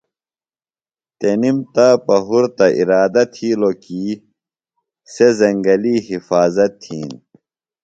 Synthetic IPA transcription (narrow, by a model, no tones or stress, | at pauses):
t̪enimt̪apɐɦuɾt̪ɐʔḭɾaːd̪ɐt̪ʰiːlokiː | sezɐŋɡɐliːɦifaːzɐt̪ʰːiːn